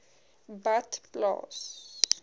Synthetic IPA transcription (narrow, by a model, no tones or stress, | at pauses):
batʰplɔ̰s